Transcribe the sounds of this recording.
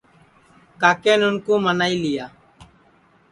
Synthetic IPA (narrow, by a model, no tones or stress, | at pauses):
kaːkeːnʊnkoːmənaːiːlɪjaː